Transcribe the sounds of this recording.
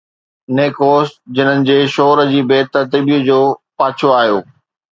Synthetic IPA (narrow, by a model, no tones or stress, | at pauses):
neːkoːsd͡ʑɪn̤ənɪ̆d͡ʑeːʃɔːɾəd͡ʑiːbeːt̪əɾt̪ibiʊd͡ʑoːpaːt͡ɕʰoaːɦjoː